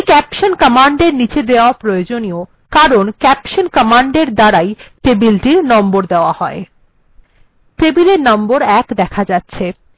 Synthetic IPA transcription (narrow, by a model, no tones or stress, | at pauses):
kɛpʃonkəmaɳɖeɾnit͡ɕʰed̪eoapɾojod͡ʑonio | kaɾonkɛpʃonkəmaɳɖeɾd̪aɾajʈebilʈiɾnɔmboɾd̪eoahɔe | ʈebileɾnɔmboɾɛkd̪ɛkʰad͡ʑatːɕʰe